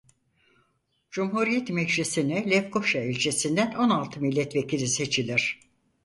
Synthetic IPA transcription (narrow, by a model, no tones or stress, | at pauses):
d͡ʒumhuɾijɛt̪mɛɟʒisinɛlʲɛfkʰoʃaelʲt͡ʃʰesind̪æno̞nalˠt̪ʰɯmilʲːɛt̪vecʰilʲise̞t͡ʃʰilʲiɾ̥